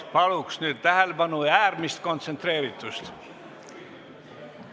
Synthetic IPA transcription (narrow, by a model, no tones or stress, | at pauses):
pɑluksnyːd̪̥̚t̪æhelbɑnuæːrmist̪kont̪sent̪reːɾit̪ːˑust̪